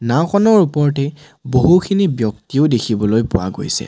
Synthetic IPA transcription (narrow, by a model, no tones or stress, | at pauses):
naxʰɔnɔɹupɔɹtɛ | boɦukʰinibjɔktiʊdekʰibɔlojpʊ̰wa̰ɡo̰jsɛ̰